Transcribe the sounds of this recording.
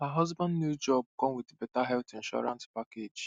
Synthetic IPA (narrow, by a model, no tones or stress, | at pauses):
haɦʌzbãndnjud͡ʒɔb̚ɡɔ̃nwɪtebɛtaɦɛltĩnʃɔ̰ɹã̰nspaked͡ʒ